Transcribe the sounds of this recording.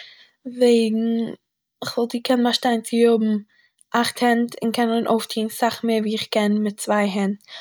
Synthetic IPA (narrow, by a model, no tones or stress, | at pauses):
veɪɡŋ̩ | ɪχvɪlˠdiːkʰɛnmaʃtaɪnt͡sɪjʊbm̩ | ʔaχthɛntɪnkʰɛnɪnʔoʊftʰiːnsaχmeːviːɪχkɛnmɪt̚t͡svaɪɦɛnt